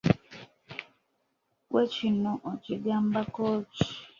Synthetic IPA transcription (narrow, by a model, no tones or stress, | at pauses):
wet͡ʃinɔ̃ʔɔt͡ʃidjam̩bakɔt͡ʃi̥